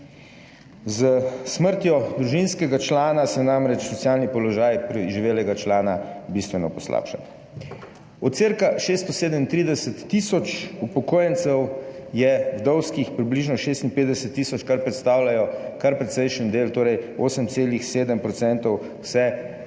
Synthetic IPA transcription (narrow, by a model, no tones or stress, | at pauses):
zəsməɾt̪jɔd̪ɾuʒinskɛɡat͡ʃlaːnasɛnamɾɛt͡ʃsɔsjaːlnipɔlɔʒaːjpɾiʒiʋeːlɛɡat͡ʃlaːnabist̪ʋɛnɔpɔsla̰ːpʃa̰n | ɔt̪t̪seɾkaʃeːst̪ɔseːd̪əmint̪ɾiːd̪ɛsɛt̪ːisɔt͡ʃupɔkoːjɛnt̪sɛwjɛwd̪ɔwskixpɾibliʒnɔʃeːst̪inpeːt̪d̪ɛsɛt̪ːiːsɔt͡ʃkaɾpɾɛt̪st̪aːwlajɔkaɾpɾɛt̪sɛjʃənd̪eːlt̪oːɾɛjoːsəmt̪seːlixseːd̪əmpɾɔt̪sɛnt̪ɔw | sɛ